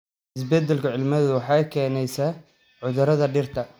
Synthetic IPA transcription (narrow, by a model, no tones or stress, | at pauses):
ʔɪs̬bɛd̪ːɛlkʰʊʕɪlmɐðːʊwɑħɑjkʰɛːnɛjsaː | ʕʊðʊɾɐðɐɖɪrt̪ʰɐ